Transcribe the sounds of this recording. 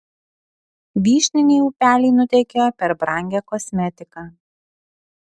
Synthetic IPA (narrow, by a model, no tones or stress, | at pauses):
ʋʲiːʃʲnʲɪnʲeːuːpʲæːlʲiːnʊt̪ʲɛɪkʲejɔpʲɛɾbɾɐˑŋʲɡʲɛkɔsʲmʲɛt̪ʲɪkɑː